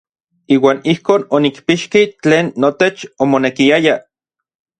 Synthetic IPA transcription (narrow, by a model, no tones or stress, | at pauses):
iːwaːnihkoːnonikpiʃkit͡ɬeːnːot̪et͡ʃomonekiaja